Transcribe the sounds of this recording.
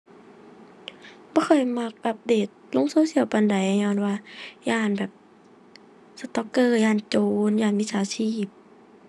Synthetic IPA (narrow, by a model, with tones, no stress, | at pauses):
bɔː˧˦xʰɔ˧˩jma˧˩k̚baː˧˩p̚deː˨˩t̪̚lo˧˥˨ŋsoː˧˦si˧˦əwpa˧˨nda˨˦jʔɲɔː˧˩˨nwaː˧jaː˧˩˨nbɛː˨˩p̚ | sa˧˦t̪ɔ˧˦kːɤː˧˨jaː˧˩˨nt͡ɕoː˧˨njaː˧˩˨nmi˧saː˨˧˦sʰiː˧˩p̚